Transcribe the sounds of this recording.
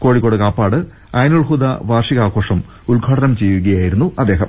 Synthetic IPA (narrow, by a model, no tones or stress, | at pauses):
ko̞ːɻikːoːɽɨkaːpːaːɽɨ | ɐjnuɭhud̪aʋaːrʂiɣaːkʰo̞ːʂɐm | ulɡʱaːʈɐnɐmt͡ɕejːuɣɐjaːjiɾunːuɐd̪ːe̞ːɦɐ̰m